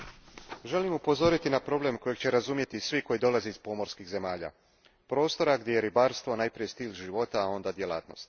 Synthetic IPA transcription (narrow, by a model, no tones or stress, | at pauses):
ʒe̞limupo̞zo̞ɾit̪inapɾo̞ble̞mko̞je̞ɡt͡ɕe̞ɾazumje̞t̪isʋiko̞jid̪o̞lazeiz̥po̞mo̞ɾskiɣze̞maːʎa̰ | pɾo̞ːst̪o̞ɾaɡd̪je̞jeɾibaːɾst̪ʋo̞najpɾije̞st̪iːlʒiʋo̞t̪aːo̞nd̪ad̪je̞la̰ːt̪no̞̰st̪